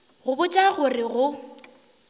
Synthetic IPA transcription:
ɣʊbʊt͡ʃʼaɣʊrɪɣʊ

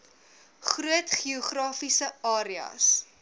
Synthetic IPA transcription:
χruətχioχrɑːfisəɑːɾiɐ̰s

